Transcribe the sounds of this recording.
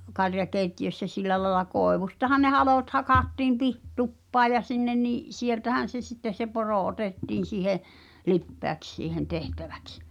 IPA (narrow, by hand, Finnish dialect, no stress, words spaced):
kɑrjɑkeitːiøsːæ silːæ lɑĕlɑ koˑeʋustɑhɑn ne hɑloˑt hɑkɑtːiːm pih tupːɑː jɑ sinːen niʔ sieltæhæn̞ se sitːe se poroˑ otetːiːn̞ siːhe lipːeæks siːhen tehtæʋæ̥ks